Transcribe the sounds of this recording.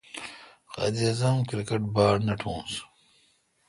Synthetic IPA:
xɐ̰d̪iɐzɐmkɾikeʈbaːɾnɐʈʰõːs

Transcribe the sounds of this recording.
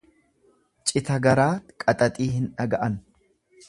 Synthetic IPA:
t͡ʃʼɪt̪ɐɡɐɾaːkʼɐt̪ʼɐt̪ʼiːɦɪnᶑɐɡɐʔɐn

